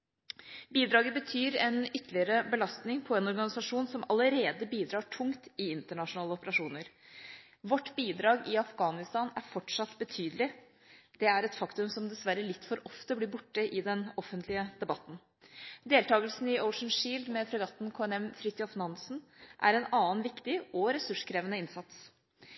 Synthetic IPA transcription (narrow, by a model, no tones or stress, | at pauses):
biːd̪ɾɑːɡəbət̪ʰyːɾɛnʏt̪ʰːəlɪəɾəbəlɑst̪nɪŋpʰɔɛnɔɾɡɑnɪsɑʂuːnsɔmɑləɾeːd̪əbiːd̪ɾɑːʈʰʊŋt̪ɪɪnt̪əɳɑʂʊnɑːləɔpəɾɑʂuːnəɾ | ʋɔʈːbiːd̪ɾɑːɡɪɑfɡɑːnɪst̪ɑːnæɾfɔʈʂɑt̪ːbət̪ʰyːd̪əlɪ | d̪̥ɛæɾɛt̪fɑkt̪ʉmsɔmd̪ɛsʋæɾəlɪt̪ːfɔɾɔft̪əbliːɾbʊʈːəʔɪd̪ɛnɔfːənt̪ʰlɪəd̪̥ɛbɑt̪ːn̩ | d̪eːlt̪ʰɑːɡəlsn̩ɪʔɔʊʂn̩ʂiːld̪mɛfʰɾɛɡɑt̪n̩kʰoːɛnɛmfɾɪt̪jɑfnɑnsn̩ʔæ̰ɾɛnɑːnʋɪkt̪ɪɔɾɛsʉʂkʰɾeːʋənəɪnsɑt̪s